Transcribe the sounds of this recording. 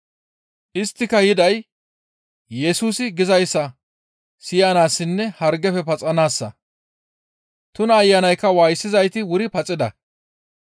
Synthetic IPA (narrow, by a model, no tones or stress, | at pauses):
ʔɪst̪ːɪkɐjɪd̪ɐj | jɛsuːsɪɡɪzɐjsːɐ | sɪjɐnaːsːɪnːɛhɐɾɡɛfɛpɐt͡sʼɐnaːsːɐ | t̪ʊnɐːjːɐnɐjkːɐwaːjsːɪzɐjt̪ɪwʊɾɪpɐt͡sʼɪd̪ɐ